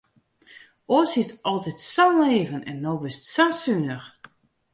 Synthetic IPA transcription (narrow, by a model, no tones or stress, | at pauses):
ʔoəshɪtɔlˠtɛtsanleːvənɛ̰nːoːbɪstsasynəx